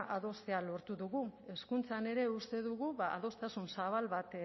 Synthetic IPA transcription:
ʔaðo̞st̪e̞alo̞ɾt̪uðuɣue̞skunt͡sane̞ɾe̞ust̪e̞ðuɣuβaa̰ðo̞st̪asunsaβ̞alβat̪

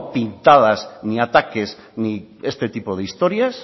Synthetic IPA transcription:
pint̪að̞aznĩat̪akes | niest̪et̪ipoðeist̪oɾjas

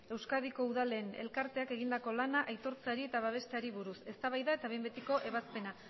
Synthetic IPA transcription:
e̞wskaðiko̞uð̞ale̞ːne̞̰lkaɾt̪e̞ake̞ɣ̞ind̪ako̞lanaʔajt̪o̞ɾt͡saɾie̞t̪aβ̞aβ̞e̞st̪eaɾiβuɾuse̞st̪aβajðae̞t̪aβe̞mbet̪iko̞ʔe̞βaspe̞na

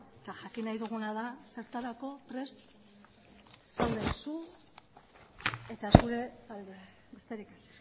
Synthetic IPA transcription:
t̪aʝakinajðuɣ̞unaðase̞ɾt̪alako̞pɾe̞st̪ | sewðesu | e̞t̪asuɾe̞ | be̞st̪e̞ɾikas

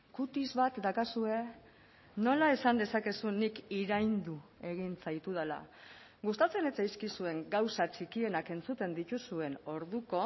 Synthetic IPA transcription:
kut̪izβat̪d̪akasue̞ | no̞lae̞sand̪e̞sake̞sunikiɾajnd̪ue̞ɣ̞int͡sajt̪uð̞ala̰ | ɣust̪at͡se̞net͡sajskisue̞ŋɡawsat͡ʃikie̞nake̞nt͡sut̪e̞nd̪it̪usue̞no̞ɾðuko̞

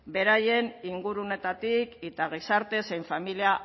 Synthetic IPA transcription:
be̞ɾaje̞niŋɡuɾuone̞t̪at̪ike̞t̪aɣ̞isaɾt̪e̞sejɱfamilia

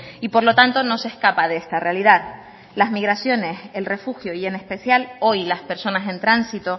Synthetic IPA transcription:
ipo̞ɾlo̞t̪ant̪o̞no̞se̞skapaðeest̪arealiðað | lazmiɣɾasjo̞ne̞se̞lre̞fuxjoie̞ne̞spe̞sjalo̞jlaspe̞ɾso̞nasẽ̞nt̪ɾansit̪o̞

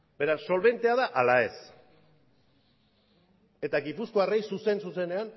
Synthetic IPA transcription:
be̞ɾasːo̞lβe̞nt̪eaðaʔalae̞s | e̞t̪aɣipusko̞arejsuse̞nsuse̞ne̞an

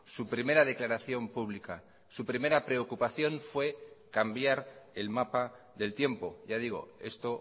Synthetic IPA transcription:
supɾime̞ɾað̞e̞klaɾaθjo̞mpuβ̞lika | supɾime̞ɾapɾe̞o̞kupaθjo̞nfwe̞kambjaɾe̞lmapa | ðe̞lt̪je̞mpo̞ʝað̞iɣ̞o̞̰e̞̰st̪o̞

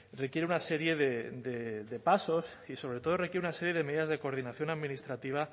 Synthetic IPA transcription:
rekje̞ɾeunase̞ɾje̞ðed̪ed̪e̞paso̞siso̞βɾe̞t̪o̞ð̞o̞re̞kjeeunase̞ɾje̞ðeme̞ðiðazðe̞ko̞ɾð̞inaθjo̞naðmĩnist̪ɾat̪iβ̞a

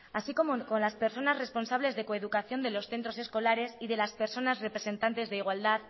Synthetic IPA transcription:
asiko̞moko̞nlaspe̞ɾso̞nazre̞spo̞nsaβ̞le̞zðe̞ko̞eð̞ukaθjo̞nd̪e̞lo̞sθe̞nt̪ɾo̞se̞sko̞laɾe̞siðe̞laspe̞ɾso̞nasrepɾe̞se̞nt̪ant̪e̞zðeiɣ̞wald̪að

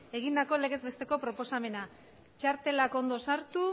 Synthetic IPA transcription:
e̞ɣ̞ind̪ako̞le̞ɣe̞zβe̞st̪e̞ko̞pɾo̞po̞same̞na | t͡ʃaɾt̪e̞lako̞nd̪o̞saɾt̪u

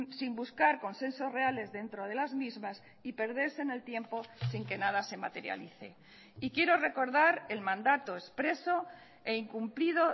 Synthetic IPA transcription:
simbuskaɾko̞nse̞nsozre̞ale̞zðe̞nt̪ɾo̞ð̞e̞lazmizmas | ipe̞ɾð̞e̞ɾse̞ne̞lt̪je̞mpo̞siŋke̞nað̞ase̞ma̰t̪e̞ɾja̰liθe̞̰ | ikje̞ɾo̞re̞ko̞ɾðaɾe̞lmãnd̪at̪o̞espɾe̞so̞ | eiŋkumpliðo̞

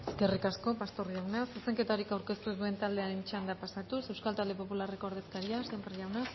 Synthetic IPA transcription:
eske̞rikasko̞past̪oɾjawnasiseŋke̞t̪aoɾikawɾke̞st̪uðue̞nt̪ald̪e̞aɾent͡ʃand̪apasat̪use̞wskalt̪ald̪e̞po̞pulareko̞oɾðe̞skaɾiasempeɾiawnas

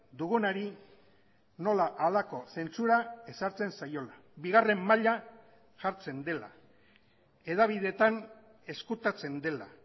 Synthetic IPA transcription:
d̪uɣunaɾi | no̞laʔalako̞se̞nt͡suɾae̞saɾt͡se̞nsajo̞la | biɣare̞mːaʎa | ʝaɾt͡se̞nd̪e̞la̰ | e̞ðaβ̞ið̞e̞t̪an | e̞skut̪at͡se̞nd̪e̞la

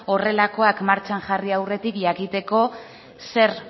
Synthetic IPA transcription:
o̞re̞lako̞akmaɾt͡ʃaŋʝariawre̞t̪ikʝakit̪e̞ko̞ | se̞ɾ

